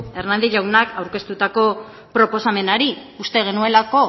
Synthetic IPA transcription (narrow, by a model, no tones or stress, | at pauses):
e̞ɾnand̪iʎawnakawɾke̞st̪ut̪ako̞ | pɾo̞po̞same̞naɾi | ust̪e̞ɣ̞e̞nue̞lako̞